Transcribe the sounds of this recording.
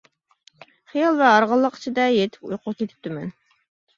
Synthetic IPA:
χijɑlˠvɛɑɾʁəlˠːəqi̥t͡ʃʰid̪ɛjet̪ʰɪ̥pujqʰʊkʲʰet̪ʰɪ̥p̚t̪ɪmɛn

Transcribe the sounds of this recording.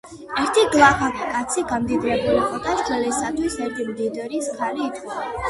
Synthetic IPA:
ɛɾt̪ʰiɡlˠaχanikʼat̪sʰiɡamd̪id̪ɾɛbuliqʼɔt̪ʼaʃd͡ʒɛlɛsat̪ʰwisɛɾt̪ʰimd̪id̪ɛɾiskʰaliːt̪ʰia

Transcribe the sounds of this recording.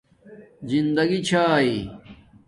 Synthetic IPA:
zind̪ɐɡit͡ɕʰaːi

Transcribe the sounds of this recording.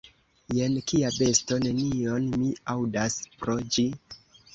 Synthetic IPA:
je̞nkiabe̞sto̞ne̞nio̞nmiawdaspɾo̞d͡ʒi

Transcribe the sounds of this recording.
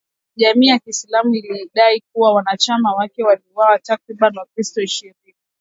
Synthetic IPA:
ʄamiːjakiːslamuiliɗaik̚uwawanat͡ʃamawakɛwaliwawatakɾiɓanwakistɔiʃiɾini

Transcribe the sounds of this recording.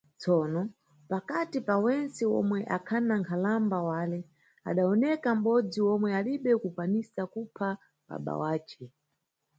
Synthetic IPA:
t͡sɔːnɔ | pakatipawɛnt͡sɛwɔ̰mwɛʔakʰanaŋkʰalambawalɛ | a̰ɗaɔnɛkam̩ɓɔd͡ziwɔmwɛaliɓɛkukwanisakupʰa | ɓa̰ɓa̰waːt͡ʃɛ

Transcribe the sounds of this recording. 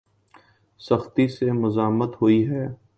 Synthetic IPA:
sɐxt̪isemʊzaːmət̪ɦoiɦɛː

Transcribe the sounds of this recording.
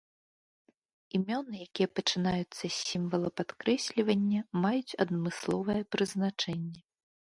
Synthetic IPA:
imʲɔnɨjakʲijɛpɐt͡ʂɨnajut̪sːɐsʲimvɐlˠɐpat̪kɾɛsʲlʲivɐnʲːɐmajut͡sʲɐ̰d̪mɨslˠɔvɐjɛpɾɨznat͡ʂɛnʲːɛ

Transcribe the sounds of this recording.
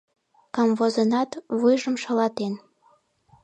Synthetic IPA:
kɑmvozənɑt̪βujʒəmʃɑlɑt̪en

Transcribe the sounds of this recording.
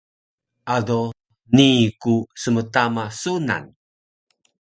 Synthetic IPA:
ʔado | nikusəmətamasuna̰n

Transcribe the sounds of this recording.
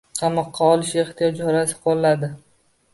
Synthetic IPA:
qʰɑmɒqʰːɑɒlɪʃe̞χt̪ʰijɒd͡ʒɪɒɾasɪ̥qʰollad̪ɪ

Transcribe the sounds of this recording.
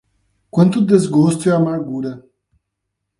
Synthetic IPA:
kwɐ̃nt̪ud̪ezɡoːst̪uɛamaɾɡuɾɐ

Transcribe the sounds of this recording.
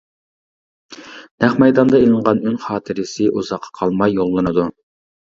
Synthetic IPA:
nɛχmɛjd̪ɑnd̪ɑelˠɨɴʁɑnynχɑːt̪ʰɪɾɪsɪʔuzɑqʰːɑ̥qʰɑlˠmɑjːolˠːɨnɨd̪u

